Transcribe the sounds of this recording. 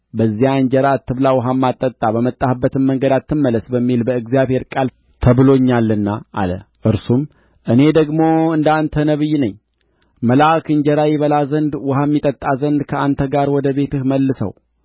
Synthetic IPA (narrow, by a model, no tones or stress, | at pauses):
bəzːijaɨɲd͡ʒəɾat̪ʰːɨβlawʊɦamːat̪ʼːət̪ʼabəmət̪ʼːahɨbːət̪ɨmːəŋɡəd̪at̪ːɨmːələsbəmːilbəɨɡzijaβhe̞ɾkʼal | t̪ʰəβɨlo̞ɲːalːɨnːaʔa̰lə̰ʔɨɾsum | ʔɨne̞d̪əɡmo̞ɨnd̪ant̪ʰənəβɨjːnəɲː | məlakɨɲd͡ʒəɾajɪβəlazənd̪wʊhamːit̪ʼət̪ʼːazənd̪kʰəʔant̪ʰəɡaɾwɔd̪əβe̞t̪ɨhməlːɨsə̰w